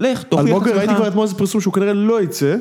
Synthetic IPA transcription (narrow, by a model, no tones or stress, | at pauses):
leχt̪oaloɡevaitikvaʁit̪moezepiʁsumʃeukaniʁeloit͡se